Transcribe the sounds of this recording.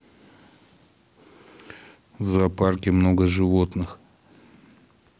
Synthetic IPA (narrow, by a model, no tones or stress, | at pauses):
vzɐparkʲɪmno̞ɡəʐɨvo̞t̪nɨx